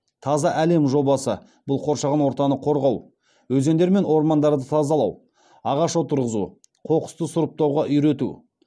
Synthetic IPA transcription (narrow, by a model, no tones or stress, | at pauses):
t̪ʰɑzɑʔæle̞mʒo̞bɑsə | b̥ʊlˠqʰo̞ɾʃɑʁɑnwo̞ɾt̪ɑnəqʰo̞ɾʁɑw | wɵze̞nd̪eɾme̞nwo̞ɾmɑnd̪ɑɾd̪ət̪ʰɑzɑlˠɑw | ɑʁɑʃwo̞t̪əɾʁəzṵ | qʰo̞qə̥st̪əsʊɾəp̚t̪ɑwʁɑʔʏjɾe̞t̪ṵ